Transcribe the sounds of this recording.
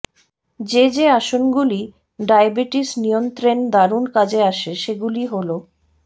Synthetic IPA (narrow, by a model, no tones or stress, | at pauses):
d͡ʑed͡ʑeaʃonɡuli | ɖajbiʈisnijont̪ɾend̪aɾunkad͡ʑeaʃeʃeɡuliɦolo